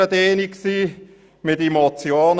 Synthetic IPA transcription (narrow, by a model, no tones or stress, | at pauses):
əd̪eːniksiː | mɪtimot͡sjoːn